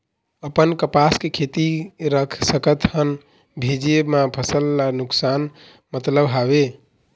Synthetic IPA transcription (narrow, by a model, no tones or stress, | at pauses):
əpənkəpaskekʰet̪iɾəkʰsəkət̪hən | bʱed͡ʒemapʰəsəlːanuksan | mət̪ləbɦabe